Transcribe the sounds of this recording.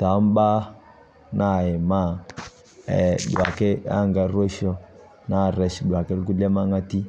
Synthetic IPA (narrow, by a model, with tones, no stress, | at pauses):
ta˨˦m˦ɓa˦ | na˦˨ɛ˨ma˦˨ | ɛ˨ɗu˨a˨kɛ˦a̰˦ŋɡa˨ɾwo˦ʃɔ˦ | na˦˨ɾɛ˨ʃɗu˨a˨kɛ˦lɡu˦lɛ˦ma˦ŋa˦ti˦